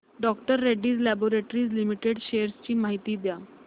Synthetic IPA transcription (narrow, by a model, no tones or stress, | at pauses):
ɖɔkʈəɾːeɖiːd͡zlɛboɾeʈɾiːd͡zlimiʈeɖɕeəɾst͡ɕiːmaɦit̪iːd̪ja